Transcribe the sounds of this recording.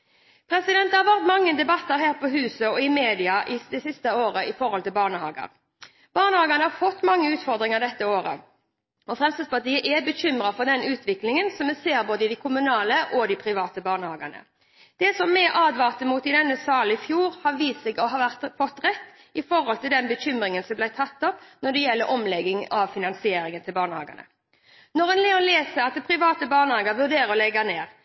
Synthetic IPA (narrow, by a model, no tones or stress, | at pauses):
pʰɾɛsɪd̪ɛnt̪hɑʋæʁt̪mɑŋːəd̪ɛbɑt̪ːəɾɦæːʁpɔɦʉːsəɔɪmeːd̪ɪɑʔɪd̪ɛsɪst̪əoːɾəɪfɔɾhɔlt̪ɪlbɑːʁnəhɑ̰ːɡə̰ɾ | b̥ɑːʁnəhɑːɡənəhɑɾfɔt̪ːmɑŋːəʉːt̪fɔɾd̪ʁɪŋəʁd̪ɛt̪ːəoːɾə̰ | ɔfʁɛmsəspɑʁt̪iːəʔɛbəɕʏmɾɑfɔɾd̪ɛnʉːt̪ʋɪklɪŋənsɔmːɛseːɾboːd̪əɪd̪ɪkʰʊmʉnɑːləʔɔd̪ɪpʰɾɪʋɑːt̪əbɑːʁnəhɑːɡə̰nə̰ | d̪̥ɛsɔmːɛʔɑːd̪ʋɑːʁt̪əmuːt̪ɪd̪ɛnːəsɑːlɪfjuːɾhɑɾʋiːsɛɡɔɦɑːʋæʁt̪fɔt̪ːɾɛt̪ː | ɪfɔɾhɔlt̪ɪld̪ɛnbəɕʏmɾɪŋənsɔmblæɪt̪ʰɑt̪ːɔpnɔɖ̪ɛjɛlːəɾʔɔmlɛɡɪŋɑʋfɪnɑnsɪeːɾɪŋənt̪ʰɪlbɑːʁnɳəhɑ̰ːɡə̰nə̰ | nɔʁɛnlɛːʊnleːsəɾɑt̪̚d̪ɛpʰɾɪʋɑːt̪əbɑːɳəhɑːɡəʋʉd̪eːɾɔlɛɡɑneːʁ